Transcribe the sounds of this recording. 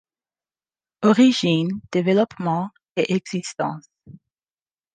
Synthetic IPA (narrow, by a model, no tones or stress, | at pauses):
ɔʁiʒind̪̥evɛlɔpmɑ̃ | eʔɛɡz̥ist̪ɑ̰̃s